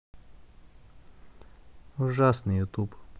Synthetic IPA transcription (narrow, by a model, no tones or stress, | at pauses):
uʐasnɨjut̪up